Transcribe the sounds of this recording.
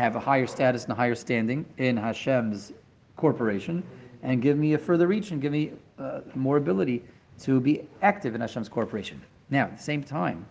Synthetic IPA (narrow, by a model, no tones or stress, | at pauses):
ɨvəhaɪə˞stæɾɨsn̩əɦaɪə˞stæ̃ndɪ̃ŋɪ̃nɦaʃɛ̃mz̥ | kʰɔɹpə˞eɪʃɨ̃nɨ̃nɡɪvmiɨfɜ˞ðə˞ɹit͡ʃɨ̃nɡɪvmi | mɔɹɨbɪlˠəɾi | ɾɨbiæk̚tɨvɨ̃nhaʃɛ̃mz̥kʰɔɹpə˞eɪʃɨ̃nː | aʊət̪̚ðə̥sẽɪ̃mtʰãɪ̃m